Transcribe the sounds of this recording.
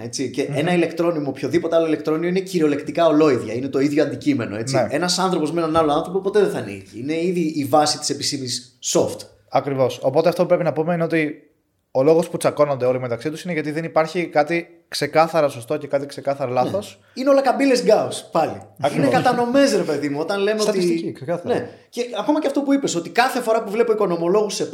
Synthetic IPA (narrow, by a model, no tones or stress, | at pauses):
e̞t͡siceenɐile̞kt̪ɾo̞nimopço̞ðipo̞t̪ealoile̞kt̪ɾo̞niineciɾio̞le̞kt̪ikaolo̞iðʝɐinet̪o̞iðʝoɐnd̪icime̞no̞e̞t͡snieenɐsɐnθɾopo̞zmenɐnɐloɐnθɾo̞popo̞t̪eðeθɐnḭciineiðiːvɐsit̪i̥se̞pisimisːo̞ft̪ | ɐkɾivo̞so̞po̞t̪eɐft̪o̞pupɾe̞pinɐpumeineo̞t̪i | o̞lo̞ɣo̞sput͡sɐko̞nond̪e̞o̞limet̪ɐksit̪usine̞ʝɐt̪̬iðe̞nipɐɾçikɐt̪i | kse̞kɐθɐɾɐso̞st̪o̞ce̞kɐt̪ikse̞kɐθɐɾɐlɐθo̞s | ineo̞lɐkɐbilezɡɐospɐlḭɐkiɾneokɐt̪ɐno̞me̞s̬ɾe̞pe̞ðimuo̞t̪ɐnle̞meoɐt̪isiksekɐθɐneceɐko̞mɐceɐft̪o̞puipeso̞t̪ikɐθe̞fo̞ɾɐpuvle̞poiko̞no̞mo̞lo̞ɣuse